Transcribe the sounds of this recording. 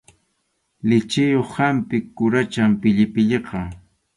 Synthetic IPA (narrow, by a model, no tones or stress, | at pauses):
lɪt͡ʃɪjoχhampɪkːʊɾat͡ʃampɪʎɪpɪʎeqɑ